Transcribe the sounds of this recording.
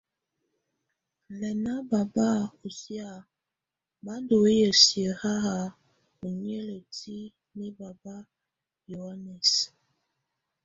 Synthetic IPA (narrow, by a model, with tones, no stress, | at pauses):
lɛ˨na˦ba˨ba˦u˨si˦a˨ | ba˦do˨e˦jə˨si˨ə˨ha˦ɣa˨ | o˨ɲ˦ɛ˦lə˨ti˦ | ne˦ba˨ba˦ | jo˨ha˦nɛ˨s